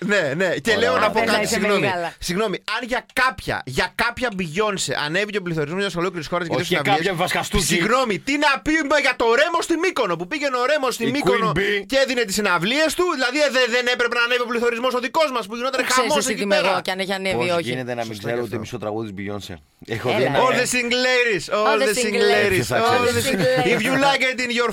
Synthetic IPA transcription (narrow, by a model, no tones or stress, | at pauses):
ne̞neceleonɐpokɐtisiɣnomilɐsiɣno̞miɐnʝɐkɐpçɐ̰ʝɐkɐpçɐbiʝo̞nsḛʔɐ̰ne̞viceopliθo̞ɾizmozʝjɐsxolokliɾisxo̞ɾɐzʝɐðosnɐvieɐvɐskɐst̪usiɣno̞mit̪inɐpimeʝɐt̪o̞ɾe̞mo̞st̪imiko̞no̞pupiʝe̞noɾe̞most̪imikono̞ceðine̞t̪isinɐvlie̞st̪uðilɐðieðeðenepɾepenɐːneviopliθo̞ɾizmo̞so̞ðiko̞zmɐspuʝino̞t̪ɐnexɐoss̬cipeɾɐɐneçiɐnevioinet̪enɐmisɡzeɾoot̪iemisot̪ɾɐ̰ɣuðizbiʝo̰nsḛ | exot̪ienoðesiŋɡleɾisolðesiŋɡleɾioðeifʝulɐket̪̬inʝo